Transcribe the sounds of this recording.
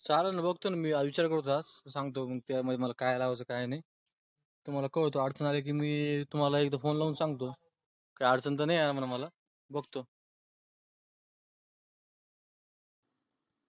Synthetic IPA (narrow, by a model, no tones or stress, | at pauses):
salanabəɡt̪onamiːaʋit͡ɕaɾkəɾt̪̬oassãŋɡt̪̬oməɡ̚t̪jaməd̪ʱməlakajlaʋt͡səkajnaj | t̪um̤alakəɽt̪oaɽt͡sənalek̬iːmiːt̪um̤alaek̚d̪afonlaunsaŋɡt̪o | kaəɽt͡sənt̪ənəjanamənaməla | bəɡt̪o